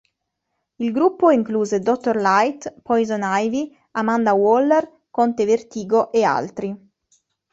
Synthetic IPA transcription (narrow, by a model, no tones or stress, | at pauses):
ilɡɾupːoiŋkluːzed̪ɔt̪ːorlajt̪pɔjzɔnajvi | amand̪awɔlːer | kont̪evert̪iːɡoʔea̰lt̪ɾi